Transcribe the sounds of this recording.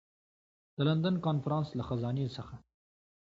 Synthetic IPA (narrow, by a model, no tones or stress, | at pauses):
d̪̥əland̪ankɑnfaɾɑ̃nslaxazɑnesəxa